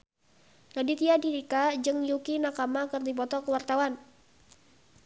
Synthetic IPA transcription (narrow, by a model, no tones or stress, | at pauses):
ŋadit̪iadiɾikad͡ʒɨŋjukinakamakərdipɔt̪ɔkəwart̪awan